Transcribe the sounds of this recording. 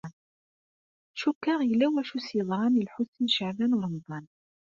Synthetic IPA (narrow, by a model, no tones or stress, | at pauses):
n | ʃukːəʁjəlːæwæʃusjəðˤɾˤɑnilħusnʃəʕvænwɾˤmðˤɑn